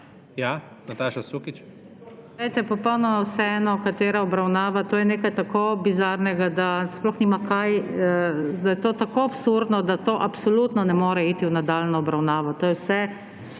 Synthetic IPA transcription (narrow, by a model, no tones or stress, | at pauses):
ja | nat̪aːʃasukit͡ʃ | lɛjt̪ɛpɔpɔwnɔmawsɛɛnɔkat̪eːɾaɔbɾawnaːʋat̪oːjɛneːkajt̪akoːbizaɾnɛɡad̪asplɔxniːmakaj | d̪ajɛt̪oːt̪akoːapsuɾd̪nɔd̪at̪oːʔapsɔlut̪nɔnɛmoːɾɛiːt̪iwnad̪alnɔːbɾawnaːʋɔt̪oːjɛwsɛ